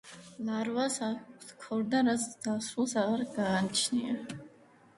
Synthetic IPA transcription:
lˠaɾvasaskʰɔɾd̪aɾazd̪̥asulˠsaʁaɾɡaːnt͡ʃʰnia

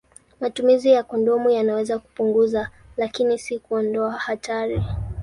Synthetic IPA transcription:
matumizijakɔndɔmujanawɛzaku̥puŋɡuza | lakinisikuɔndɔahataɾi

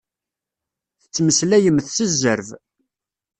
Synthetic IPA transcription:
θət͡sːməslæjəmːθsəzːəɾv

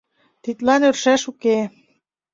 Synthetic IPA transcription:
t̪it̪lɑnørʃæʃuke

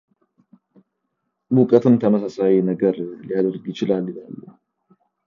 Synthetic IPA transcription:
mukʼət̪ʰɨmt̪ʰəməsasawinəɡəɾlijad̪əɾɡjɪt͡ʃɪlalːɪlalːu

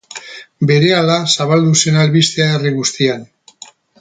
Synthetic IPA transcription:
be̞ɾe̞alasaβald̪use̞nalβist̪eaeriɣust̪ian

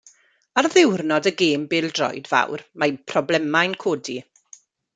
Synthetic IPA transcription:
arðɪwrnɔdəɡeːmbɪːlˠdrɔ̰jdva̰wrmapʰrɔblɛmajnkʰoːdi

